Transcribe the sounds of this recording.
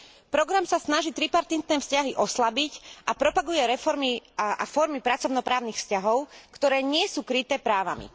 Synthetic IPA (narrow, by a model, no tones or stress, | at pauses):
pɾɔɡɾamsasnaʒiːt̪ɾipaɾt̪int̪nɛːfscaɦiʔɔslabicʔapɾɔpaɡujɛɾɛfɔɾmia̰fɔɾmipɾat͡sɔʊnɔpɾaːʊnixfscaɦɔʊkt̪ɔɾɛːɲɪɛsuːkɾit̪ɛːpɾaːʋa̰mḭ